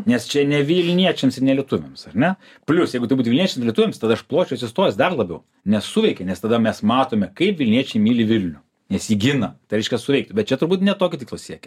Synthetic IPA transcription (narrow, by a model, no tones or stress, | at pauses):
nʲɛst͡ʃʲɛnʲɛʋʲilʲnʲiɛt͡ʃʲɛmsɪɾnʲɛlʲiɛt̪ʊʋʲɛmsɐrʲnʲɛ | pʲlʲʊsjɛɪɡʊt̪ɐɪbuːt̪ʊʋʲɪlniɛt͡ʃʲɛmsɾlʲiɛt̪ʊʋʲeːmst̪ɐd̪ɐɐʃplˠoːt͡ʃʲɛʊsʲɪst̪oːɾɪjɛsd̪ɐrlˠɐbʲɛʊ | nʲɛsuʋʲɛɪkʲɛnʲɛst̪ɐd̪ɐmʲɛsmɑːt̪oːmʲɛkɐɪpʋʲɪlʲnʲiɛt͡ʃʲɛɪmʲiːlʲɪʋʲɪlʲnʲʊ | nʲɛsiːɡʲɪnɐt̪ɐɪɾʲɛɪʃkʲɛsʊʋʲɛɪk̚t̪ʲbʲɛt̪̚t͡ʃʲɛt̪ʊɾbuːt̪nʲɛt̪oːkʲʊt̪ʲiklˠossʲiɛkʲɛ